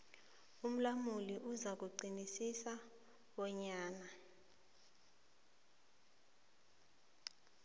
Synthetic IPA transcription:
um̩lamuliʔuzak̬uɡ͡ǀinisisa | ɓɔɲaːna

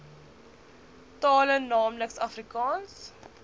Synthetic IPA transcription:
tɑːlənnːɑːmləksɐfrikɑːns

